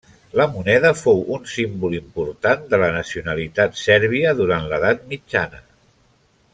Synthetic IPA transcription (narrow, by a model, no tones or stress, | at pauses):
ləmunɛðəfowunsimbulimpuɾt̪and̪ələnəsiunəlit̪at̪sɛɾβ̞iəðuɾanləðat̪̚mid͡ʒanə